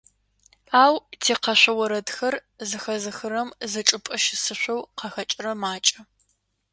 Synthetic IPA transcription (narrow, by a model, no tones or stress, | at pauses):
aːwtʰeːqɐɕʷɐwɐɾɐdxɐr | zɨxɐzɨxɨɾɐmzɨʈ͡ʂʼɨpʼɐʃɪsɨɕʷɐwqɐxɐt͡ʃʼɪrɐmaːt͡ʃʼɐ